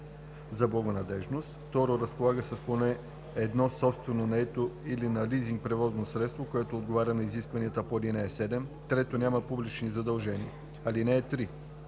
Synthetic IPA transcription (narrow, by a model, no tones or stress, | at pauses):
zɐblˠɐɡonɐd̪ɛʒnost̪ft̪ɔɾoɾɐspolˠaɡəsəsponɛ | ɛd̪nɔsɔpst̪vɛnonɐɛt̪oilinɐliziŋk̚pɾɛvɔznosɾɛt̪st̪vokoɛt̪oːd̪̚ɡovaɾʲɐnɐiziskvɐniət̪əpolinɛɛsɛd̪ɛmt̪ɾɛt̪onʲaməpublit͡ʃnizɐd̪ɐlˠʒɛniə | ɐlinɛːt̪ɾi